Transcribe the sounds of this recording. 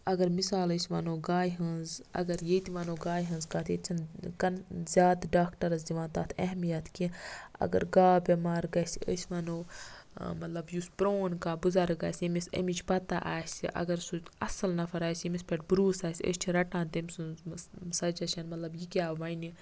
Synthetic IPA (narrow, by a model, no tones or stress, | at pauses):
ɐɡɐɾmisaːləːsʲʋɐnoːɡaːjɦɐ̃nzɐ̰ɡɐɾjet̪iʋɐnoːɡaːjɦɐ̃nzkaːt̪ʰeːt͡ʃʰɐnkɐnzʲjaːd̪ɖaːkʈɐɾɐzd̪iʋãːnt̪aːt̪ʰɐɦmijɐt̪kiɐ̰ɡɐ̰ɾɡaːbʲɐmaːɾɡɐsə̰sʲʋɐnoː | mɐt̪lɐbjuspɾoːnkaːbuzɐɾɡaːsʲemisɐ̰mit͡ʃpɐt̪a̰ʔaːsʲiʔɐ̰ɡɐɾsuɐsɐlnɐfɐɾaːsimispʲeʈbɾuːsaːsʲḛːsʲt͡ʃʰiɾɐʈãːnt̪emsunzsɐd͡ʒɐʃʰɐnmɐt̪lɐbjikʲaːʋɐni